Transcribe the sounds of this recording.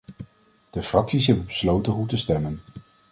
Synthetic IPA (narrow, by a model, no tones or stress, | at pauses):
d̥əfrɑksisɦɛbənbəslowtənɦutəstɛmən